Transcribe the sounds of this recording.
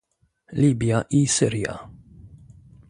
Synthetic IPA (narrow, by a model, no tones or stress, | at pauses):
liːbjɐʔiːsɪɾjɐ̰